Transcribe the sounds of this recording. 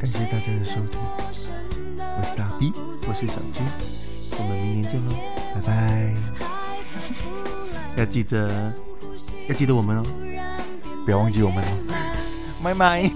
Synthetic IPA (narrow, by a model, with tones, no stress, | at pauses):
ka˨˩nɕjɛ˥˧t̪a˥˧t͡ɕja˥˧d̪ə˨ʂo˥ʊt̪ʰi˧˩ | wʂ̩˥˩t̪a˥˧˩pi˥˩ | wɔ˨˩ʂ̩˥˩ɕa̰˨˩ʊt͡ɕy˥n | wɔ˨˩mə˧˩mi˧˥ŋnjɛ˧nt͡ɕjɛ˥˧no˧ | ba˧˩ɪba˥˧ɪ | ja˥˧t͡ɕi˥˩d̪ə˨˩ | jt͡ɕi˥˩d̪ə˨wɔ˨˩mə˦nɔ˧ | pjwɑ˥ŋt͡ɕi˧wɔ˨˩mə˦nə˧ | ma˧ɪma˥˧ɪ